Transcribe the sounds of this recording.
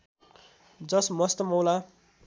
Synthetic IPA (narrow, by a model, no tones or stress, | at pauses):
d͡zʌsmʌst̪ʌmʌwla